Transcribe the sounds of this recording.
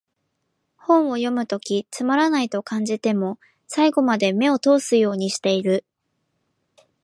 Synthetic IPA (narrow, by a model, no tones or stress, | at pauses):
hõ̞ɰ̃o̞jo̞mɯ̟t̪o̞kʲit͡sɨmaɾanait̪o̞kãɲ̟d͡ʑit̪e̞mo̞ | saiɡo̞mad̪e̞me̞o̞t̪o̞ːsɨjo̞ːɲ̟iɕi̥t̪e̞iɾɯ̟